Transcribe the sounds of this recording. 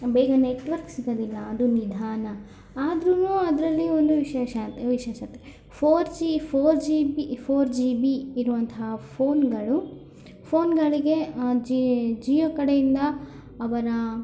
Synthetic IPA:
bɛːɡɐneʈʋɐɾksiɡ̪ɐd̪ilːɐːd̪unid̪ʱaːnɐ | aːd̪ɾunuɐd̪ɐɾɐlːio̞nd̪uʋiʃɛːʃɐt̪ʋiʃeːʃɐt̪e | pʰoːɾd͡ʒipʰoːɾd͡ʒibipʰoːɾd͡ʒibiiɾuʋɐnt̪ʰɐɦɐpʰoːnɡɐɭu | pʰoːnɡɐɭiɡe̞d͡ʒid͡ʒiːjɐkɐɽejind̪ɐː | ʋɐɾɐ

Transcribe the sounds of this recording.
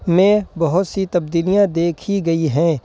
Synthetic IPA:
mẽbɐɦʊt̪sit̪ɐbd̪iːlijãd̪eːkʰiɡɐiɦɛ̃ː

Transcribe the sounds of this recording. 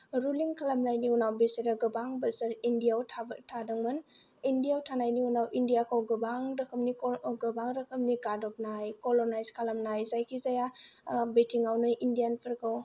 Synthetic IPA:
ɾuliŋkʰalamnajniunawbeseɾaɡɯbaŋbɐsɐɾindijawtʰtʰadɐŋmɯn | indijawtʰanajniunawʔindijakʰawɡɯbaŋɾɐkʰɐmniɡɯbaŋɾɐkʰɯm̚niɡadɔp̚najkolonajzkʰalamnajzajkʰizajabetʰiŋawnɯjʔindijanpʰɯɾkʰaw

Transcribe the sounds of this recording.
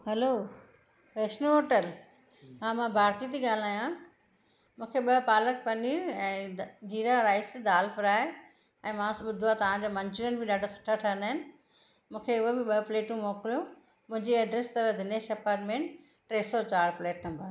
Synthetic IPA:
ɦɛloː | peːʃnəɦoːʈəl | ɦãːmãbʱaːɾt̪it̪iɠaːl̤aːjã | mũːkʰeɓɐɦpaːlək̚pɐniːɾɛ̃ːd͡ʑiːɾaɾaːɪsd̪aːlpɪɾaːe | ɛ̃ːmãɓʊd̪ʱuat̪ɐʋ̤ãd͡ʑoːmɐ̃nt͡ɕʊɾijənɪbʱɪɗaːɖʱasʊ̥ʈʰaʈʰaə̃naːɦɪnɪ̆ | mũːkʰeʊɦobɪɓɐɦpleːʈũmoːkɪlijo | mʊ̃ɦɪ̃ɲd͡ʑiɐɖɾeːst̪ɐɾəɦd̪ʱɪneːʃɐpaːɾmẽːɳ | ʈɾeːsɔt͡ɕaːɾpleːʈnɐ̃mbəɾ

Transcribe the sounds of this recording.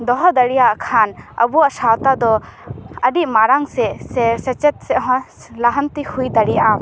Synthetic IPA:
d̪ɔɦɔd̪əɽijaʔkʰanə̰buwaʔsawt̪ad̪ɔ | əɖiʔmaɾaŋsɛsɛsɛt͡ʃɛt̪̚sɛʔɔ | laɦɔnt̪ihujd̪aɽijaʔa

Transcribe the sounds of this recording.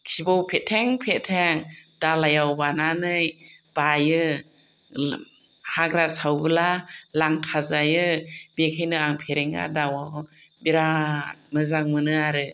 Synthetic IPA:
kʰibɔwpʰetʰeŋpʰetʰeŋdalajawbananɯjb̥ajɯ | haɡɾasawbɯlalaŋkʰazajɯbekʰajnɯaŋpʰeɾeŋa̰dawaw | biɾamɯzaŋmɯnɯaɾɯ

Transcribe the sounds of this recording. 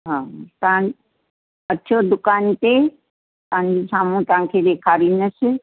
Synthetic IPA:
ɦãtãn | ətːʃʰod̪ʊkaːnt̪e | tãːnd͡ʒisaːmũt̪ãːkʰed̪ekʰaɾinəse

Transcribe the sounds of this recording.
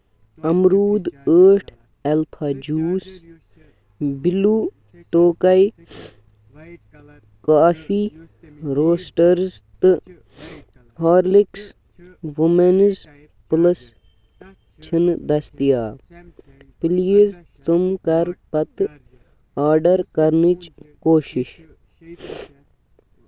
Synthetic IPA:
ɐmɾuːd̪əːʈʰ | elpʰaːd͡ʒuːs | biluː | ʈoːkɐj | kaːfi | ɾoːsʈɐɾzt̪ɨ | ɦaːɾliks | ʋumenz | plɐs | t͡ʃʰind̪ɐst̪ijaː | piliizt̪umkɐɾpɐt̪ | aːɾɖɐɾkɐɾnit͡ʃkoːʃɪʃ

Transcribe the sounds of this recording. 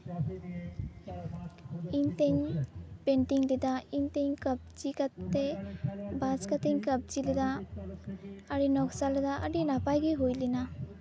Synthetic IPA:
iɲt̪eŋpenʈiŋlid̪aint̪eɲkəb̚d͡ʒikat̪ːebaskat̪eŋkəp̚d͡ʒilid̪a | ɾinɔksaled̪aʔa̰ɾinapajɡiɦujlina

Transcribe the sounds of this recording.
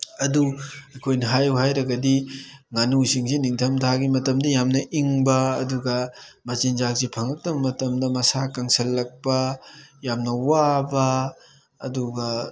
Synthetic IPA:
ɐduɐkʰojnɐɦajuhajɾɐɡɐdiŋanusiŋsiniŋtʰɐmtʰaɡimɐtɐmdɐjamnɐʔiŋbɐːduɡɐmɐzinzak̚zipʰɐŋɐk̚tɐbɐmɐtɐmdɐmɐsakaŋsɐlːɐk̚pɐjamnɐwabɐː | duɡɐ

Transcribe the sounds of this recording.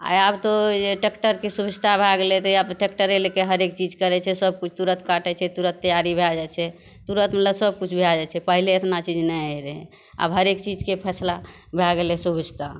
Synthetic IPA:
a̰jabt̪od͡ʒeʈekʈəɾkesubid͡ʒt̪ʰabʱaɡelɛt̪ɔiabʈek̚ʈəɾelekeɦəɾek̚t͡ʃid͡ʒkəɾɛt͡ʃʰɛsəb̚kut͡ʃʰt̪uɾət̪kaʈɛt͡ʃʰɛt̪uɾət̪ːəjaɾibʱelad͡ʒat͡ʃʰɛ | t̪uɾət̪meləsəb̚kut͡ʃʰbʱelad͡ʒat͡ʃʰɛpəɦileet̪nat͡ʃid͡ʒnɛəɾɛɦ | a̰bɦəɾekt͡ʃid͡ʒkepʰɛsla | bʱaɡelɛsubid͡ʒt̪ʰa

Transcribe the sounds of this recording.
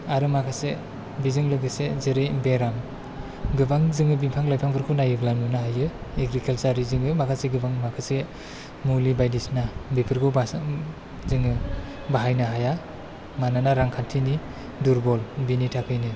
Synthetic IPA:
aɾɯmakʰase | bizɯŋlɯɡɯsezeɾejbeɾam | ɡɯbaŋzɯŋɯbimpʰaŋlajpʰaŋbʰɯɾkʰunajɯɡlanunaɦajɯeɡɾikʰelsaɾizɯŋɯmakʰaseɡɯbaŋmakʰase | mulibajdisnabepʰɯɾkʰɯb | zɯŋɯ | baɦajnɯɦaja | mananaɾaŋkʰantʰini | duɾbɔlbinitʰakʰɯjnɯ

